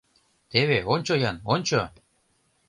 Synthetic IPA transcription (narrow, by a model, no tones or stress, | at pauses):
t̪eβeonʲt͡ɕojɑnonʲt͡ɕo